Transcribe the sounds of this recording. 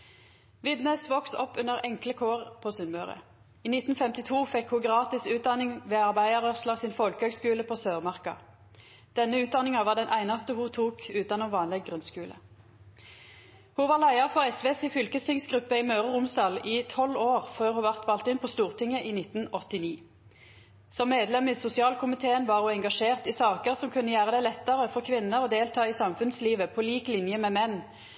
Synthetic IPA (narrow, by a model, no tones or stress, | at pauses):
ʋɪd̪nɛsʋɔksɔpːʉnəʁɛŋkləkʰoːʁpʰoːsʉnmœːʁə̰ | iːnɪt̪n̩fɛmt̪ɪt̪ʰuːfɛkhuːɡʁɑːt̪ɪsʉːt̪̚d̪ɑnɪŋʋeːɑʁbæɪəʁœʁslɑʁsɪnfɔlkəhøːɡskʉːləpʰoːsøːʁmɑʁkɑ̰ | d̪̥ɛnːəʉːt̪̚d̪ɑnɪŋɑʋɑːʁd̪ɛnʔæɪnɑst̪əhuːt̪ʰuːkʉːt̪ɑnoːʋɑːnlɛɡɡʁʉnskʉːlə̰ | huʋɑːʁlæɪɑʁfɔʁɛsʋeːsɪfʏlkəst̪ɪŋsɡʁʉpːəimøːʁəʁʊmsd̪ɑːliːt̪ʰɔloːʁføːʁhuːʋæʁt̪ʋɑlt̪ɪnpʰost̪uːʁt̪ʰɪŋəʔiːnɪt̪n̩ɔt̪ɪniː | sɔmːeːd̪lɛmiːsʊsɪɑːlkʰʊmɪt̪ʰeːənʋɑːʁhuːɛŋɡɑʂeːʁt̪ɪsɑːkəʁsɔmkʰʉnːəjæːʁəd̪æɪlɛt̪ːəʁəfɔʁkʰʋɪnːəʁoːd̪eːlt̪ʰɑːisɑmfʉnsliːʋəpʰoːliːklɪnjəmɛːmɛnː